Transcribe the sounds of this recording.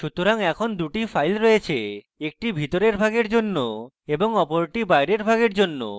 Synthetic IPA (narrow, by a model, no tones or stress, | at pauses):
ʃut̪ːɾaŋɛkʰond̪uʈifʰajlɾɔjet͡ɕʰe | ek̚ʈibʱit̪oɾeɾbʱaɡeɾd͡ʑonːo | eboŋɔpoɾʈibajɾeɾbʱaɡeɾd͡ʑonːo̰